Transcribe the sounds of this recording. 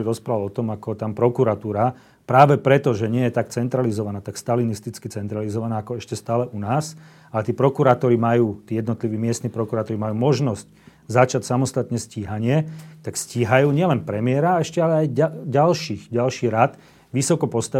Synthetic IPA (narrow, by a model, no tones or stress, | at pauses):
ɾiɾɔspɾalɔt̪ɔmakɔt̪ampɾɔkuɾat̪uːɾa | pɾaːʋɛpɾɛt̪ɔʒɛɲɪɛjɛt̪ak̚t͡sɛnt̪ɾalizɔʋanaːt̪akst̪alinist̪it͡skit͡sɛnt̪ɾalizɔʋanaːkɔɛʃcɛst̪aːlɛʔunaːs | alɛt̪iːpɾɔkuɾaːt̪ɔɾimajuːt̪iːjɛd̪nɔt̪liʋiːmɪɛst̪niːpɾɔkuɾaːt̪ɔɾimajuːmɔʒnɔsc | zat͡ʃacsamɔst̪at̪ɲɛsciːɦaɲɪɛt̪aksciːɦajuːɲɪɛlɛnpɾɛmɪɛɾaɛʃcɛalɛajaɟalʃiːxɟalʃiːɾat̪ | ʋisɔkɔpɔst̪a